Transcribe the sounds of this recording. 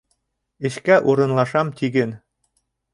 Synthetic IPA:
ɘ̆ɕkæʔuɾɤ̆nlˠɑʂɑmt̪ʲiɡʲɘ̆n

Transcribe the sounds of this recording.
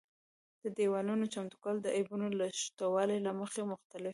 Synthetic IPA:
d̪̥əd̪ewɑlunot͡ʃamt̪u̥kɑld̪əʔajbunolaʃt̪awɑlelaməxemʊxt̪alɪf

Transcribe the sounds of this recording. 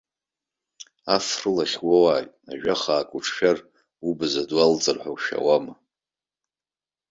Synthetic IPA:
afrɨlaχʲwowaːjʼaʒᶣaχaːkʷʼuʈ͡ʂʰʃᶣar | ubɨzadwalt͡sʼɨrħʷawʃa̰wama

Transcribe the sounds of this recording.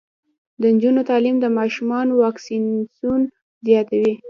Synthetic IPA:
d̪ənd͡ʒunot̪ɑlimd̪əmɑʃumɑnowɑksinsun | zjɑt̪awi

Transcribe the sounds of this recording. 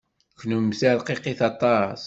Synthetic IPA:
kːnumsaʕlqiqiθɑt̪ˤɑs

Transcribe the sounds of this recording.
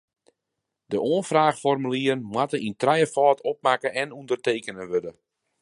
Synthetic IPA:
dəʔoənfraːxfɔrmyliərnmwatəʔintrɛjəfɔːtʰɔp̚makəʔɛnundərteːkənəʋødə

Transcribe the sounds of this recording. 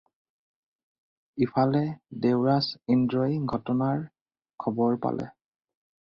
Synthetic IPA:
ipʰalɛdewɹasindɹojɡʱɔtɔnaɹ | kʰɔbɔɹpa̰lʔɛ̰

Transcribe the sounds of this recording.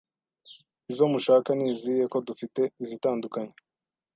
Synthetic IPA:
izo̞muʃaːkaniːzije̞ko̞dufite̞izitaːndukaɲe

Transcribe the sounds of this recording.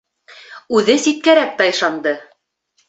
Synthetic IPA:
ʉðɘsit̪̚kæɾæk̚t̪æjɤ̆ʃɑnd̪ɤ

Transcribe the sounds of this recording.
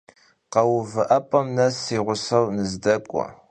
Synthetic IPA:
qɐwʊvɨʔɐpʼɐmnɐsiːʁʷʊsɐwnɨzdɐkʷʼɔ̰

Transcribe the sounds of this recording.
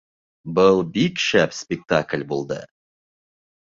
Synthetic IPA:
bəlˠbikʃæpspʲek̚t̪akʲlʲbolˠd̪ə̰

